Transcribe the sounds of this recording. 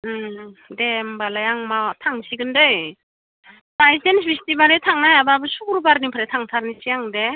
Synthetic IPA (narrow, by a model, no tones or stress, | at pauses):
dembalajaŋmatʰaŋsiɡɯndɯj | bajsenbʰistibaɾɯtʰaŋnaɦajababɯsukuɾubaɾnipʰaɾetʰaŋtʰaɾnisiaŋde